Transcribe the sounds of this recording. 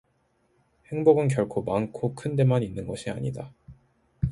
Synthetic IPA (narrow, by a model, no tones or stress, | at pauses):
he̞ŋboɡɯnk̬jʌɭkʰomankʰokʰɯnde̞maɲinːɯnɡʌɕʰia̰ɲḭda